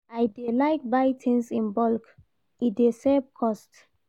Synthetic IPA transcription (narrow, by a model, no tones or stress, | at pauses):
ajdelaɪk̚bajtʰĩnsĩnbɔlk | idesɛbkʰɔst